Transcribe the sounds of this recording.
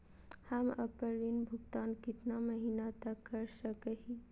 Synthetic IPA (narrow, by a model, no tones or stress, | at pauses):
hamə̰pəɾinbʱʊɡt̪aːnkɪt̪naməɦiːnat̪əkːəɾsəkəɦi